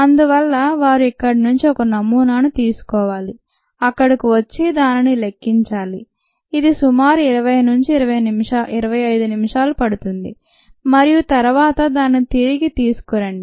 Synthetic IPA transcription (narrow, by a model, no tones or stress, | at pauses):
ɐnd̪uʋɐlːɐʋaːɾuikːɐɽinuɲt͡ʃiɔkɐnɐmːuːnaːnut̪iːsu̥kɔːʋaːli | ɐkːɐɽikiʋɐt͡ʃːid̪aːninile̞kːiɲt͡ʃaːliː | d̪isumaːɾuiɾɐʋɐjnuɲt͡ʃiɾɐʋɐjnimiʃaːʔiɾɐʋɐjɐjd̪unimiʂaːlupɐɽut̪und̪ḭ | mɐɾijut̪ɐɾɐʋaːt̪ɐd̪aːnːit̪iɾiɡit̪iːsu̥kɔɾɐɳɖi